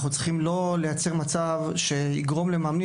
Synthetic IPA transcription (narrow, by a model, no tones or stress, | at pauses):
χnut͡sχimlo̞le̞jat͡seʁmat͡savʃe̞iɡʁo̞mle̞maːmni